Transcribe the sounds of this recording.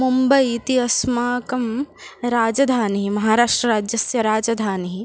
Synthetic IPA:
mumbɐit̪iɐsmaːkɐmɾaːd͡ʒɐd̪ʱaːnɦimɐɦaːɾaːʂʈɾɐɾaːd͡ʒjɐsjɐɾaːd͡ʒɐd̪ʱaːnɦi

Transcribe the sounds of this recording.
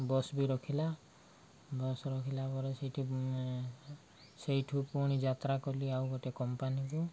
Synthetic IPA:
bɔsbiɾɔkʰila | bɔsɾɔkʰilabɔɾɛsejʈʰu | sejʈʰupuɽ̃id͡ʒat̪ɾakoliawɡɔtɛkɔmpanibɔ

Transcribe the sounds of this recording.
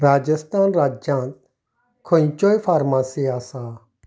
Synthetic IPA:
ɾaːd͡ʒəst̪aːnɾaːd͡ʒãːnt̪̚ | kʰoĩt͡ʃoːjfaːɾmaːsiaːsaː

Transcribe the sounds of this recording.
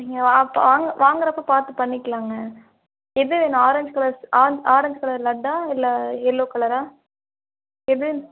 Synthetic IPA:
niŋɡɐʋaːpːʋaːŋɡɐʋʔaːŋɡɐɾɐpːɐpaːɾt̪ɯpɐɳːɪkːɐlaːŋɡɐ | ɛðɯʋeːnʊ̃aːɾɐɲd͡ʒkɐɭɐɾsaːd͡ʒaːɾɐɲd͡ʒkɐɭɐɾlɐɖːãːɪlːaːɛlːoːkɐɭɐɾaː | ɛðɯ

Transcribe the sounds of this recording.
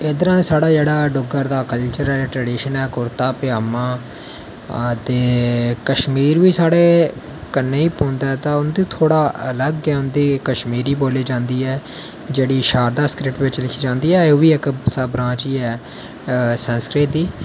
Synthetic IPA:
eːd̪əɾãːsaːɽaːd͡ʒeːɽaːɖʊɡəɾd̪aːkəlt͡ʃəɾɛːʈɾɛːɖiːʃənɛːkʊɾt̪aːpɪjaːmãː | t̪eːkəʃmiːɾʋiːsaːɽeː | kənːeːiːpõːnd̪aːt̪ãːʊnd̪iːt̪ʰoːɽaːʔələɡːɛːʊnd̪iːkəʃmiːɾiːboːliːd͡ʒãːnd̪iːɛː | d͡ʒeːɽiːʃaːɾd̪aːskɾɪʈʋɪt͡ʃlɪkʰiːd͡ʒãːnd̪iːɛːʋiːɪksəbɾãːt͡ʃiːɛː | sə̃nskɾɪʈ̚d̪iː

